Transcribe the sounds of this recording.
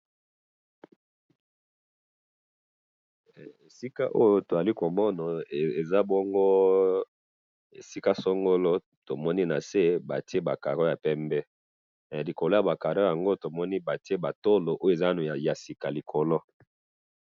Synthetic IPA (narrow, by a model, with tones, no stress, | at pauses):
e˨si˦ka˦ʔo˦jo˦to˨za˨li˦ko˨mɔ˦na˨e˨za˦bɔ˦ŋɡo˦ | ḛ˨si˦ka˦so˦ŋɡo˦lo˦ | to˨mɔ˦ni˦na˨se˦ba˨ti˦e˦ba˨ka˨ɾɔ˦ja˨pɛ˦mbɛ˦˨ | li˨ko˨lo˦ja˨ba˨ka˨ɾo˦ja˨ŋɡo˦to˨mɔ˦ni˦ba˨ti˦e˦ba˨to˦lo˨ʔo˦je˨za˦n˨ja˨si˨ka˨li˨kʰo˨lo˦